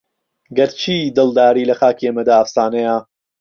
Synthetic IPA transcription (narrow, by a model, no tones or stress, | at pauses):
ɡɐɾt͡ʃʰiːd̪ɨlˠd̪aːɾiːlɐxaːkiemɐd̪aːɐfsaːnɐja